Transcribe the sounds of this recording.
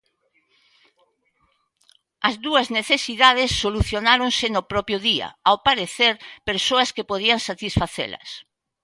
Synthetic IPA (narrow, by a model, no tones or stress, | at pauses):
ɐzðuɐzneθesiðað̞esːoluθjonaɾoŋsɪnopɾɔpjʊðiɐ̰awpaɾeθeɾpeɾsoɐskepoð̞iaŋsat̪isfaθḛlɐ̰s